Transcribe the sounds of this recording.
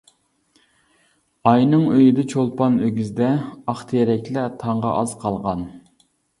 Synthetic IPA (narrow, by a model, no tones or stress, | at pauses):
ɑjnɨŋøjid̪ɛt͡ʃʰolˠpɑnøɡʲyzd̪ɛɑχt̪ʰɨjɛɾɛkʲlɛt̪ʰɑɴʁɑ̰ʔɑz̥qʰɑlˠʁɑn